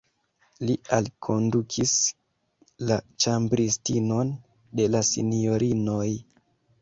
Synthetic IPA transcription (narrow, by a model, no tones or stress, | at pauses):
lialkʰo̞ndukʰis | lat͡ʃambɾistino̞n | de̞lasḭnjo̞ɾino̞j